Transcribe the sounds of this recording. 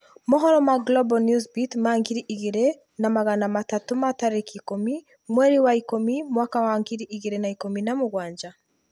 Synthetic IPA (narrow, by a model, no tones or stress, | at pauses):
mɔɦɔɾɔmaɡlɔbɔnjusbitmaŋɡiɾiʔiɣeɾe | namaɣanamatatomataɾekikomi | mwɛɾiwaikomimwakawaŋɡiɾiʔiɣeɾenaikominamoɣwaːɲd͡ʒa